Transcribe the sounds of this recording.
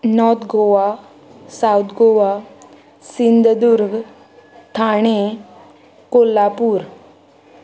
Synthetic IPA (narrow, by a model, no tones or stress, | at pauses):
nɔɾt̪ʰɡoʋa | saut̪ʰɡoʋa | sind̪ʱd̪uɾɡ | t̪ʰaɽ̃e | kolːapuːɾ